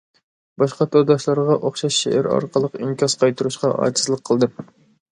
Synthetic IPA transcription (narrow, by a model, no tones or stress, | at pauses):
bɑʃqɑt̪ʰøɾd̪ɑʃlˠɑɾʁɑʔoχʃɑʃːḛʔæ̰ɾɑ̰ɾqʰəlˠəqiŋkʲɑsqʰɑjt̪ʰuɾuʃqɑʔɑ̰ːt͡ʃʰi̥zlˠəqʰːəlˠd̪ɨ